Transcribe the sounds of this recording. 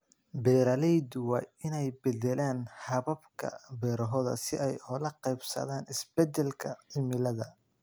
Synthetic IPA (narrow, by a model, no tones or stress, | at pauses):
bɛːɾɐlɛjd̪ʊwɑːɪnɛjbɛd̪ɛlaːnhɐβɐbkʰɐ̰bɛːɾɐɦɔðɐ̰sɪʔɛjhɔlɐqɛjbsɐ̰ðaːnɪsb̥ɛd̪ɛlkʰɐʕɪmɪlɐðɐ